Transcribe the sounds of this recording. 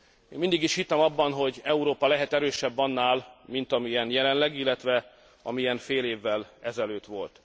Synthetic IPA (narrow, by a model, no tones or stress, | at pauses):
eːnmind̪iɡiʃhit̪ːɛmɒbːɒnɦo̞ɟɛuɾoːpɒlɛɦɛt̪ɛɾøːʃɛbːɒnːaːlmint̪ɒmijɛnjɛlɛnlɛɡilːɛt̪ʋɛ | ɒ̰miɛɱfeːleːvːɛlɛzɛløːt̪ʋo̞lt̪